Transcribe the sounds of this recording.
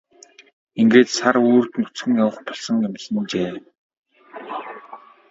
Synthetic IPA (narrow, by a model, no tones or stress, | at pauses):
iŋɡeːt̪saroːrt̪nɵt͡sxɘ̆ŋjawə̆χpɔɮsɞ̆ŋemsə̆nt͡ɕeː